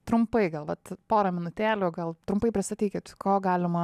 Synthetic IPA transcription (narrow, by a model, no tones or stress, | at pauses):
t̪ɾʊmpɐɪɡɐlˠʋɐt̪poːɾɐmʲɪnʊt̪ʲæːlʲoːɡɐlˠt̪ɾʊmpɐɪpʲɾʲɪst̪ɐt̪ʲiːkʲɪt̪koːɡɑːlʲɪmɐ